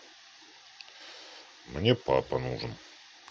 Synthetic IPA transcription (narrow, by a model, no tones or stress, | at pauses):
mnʲe̞pʰa̰panuʐəm